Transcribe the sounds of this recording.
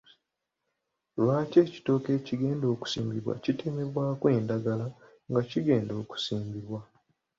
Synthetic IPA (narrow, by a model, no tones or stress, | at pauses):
βaːce̞ːci̥to̞ːke̞ːciɡe̞ːndo̞ːku̥siːmbiβwa̰citemeβwaːkwe̞ːndaɡala | ŋɡaciɡe̞ːndo̞ːku̥siːmbiβwa